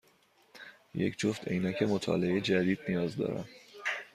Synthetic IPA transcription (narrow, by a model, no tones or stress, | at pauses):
jḛcʰd͡ʒoft̪ḛjnæcʰe̞mot̪ʰɒ̰ːleed͡ʒæd̪iːd̪nijɒːzd̪ɒ̰ːɾæ̰m